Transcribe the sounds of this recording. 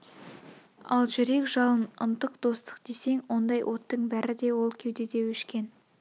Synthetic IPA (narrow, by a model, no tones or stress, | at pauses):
ɑ̰lˠʒʏɾe̞kʒɑlˠənə̰nt̪əqd̪̥o̞st̪ə̥qd̪e̞se̞ŋwo̞nd̪ɑjʔo̞t̪ːəɴbæɾɪd̪e̞wo̞lˠkʲʰewd̪ed̪e̞wɵʃkʲe̞n